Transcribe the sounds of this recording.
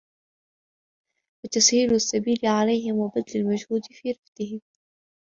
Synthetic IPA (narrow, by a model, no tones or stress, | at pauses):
wat̪ashiːlʊsːabiːlɪʕalajɦɪmwabad̪lalmad͡ʒhuːd̪fiːɾɪft̪ɪhɪm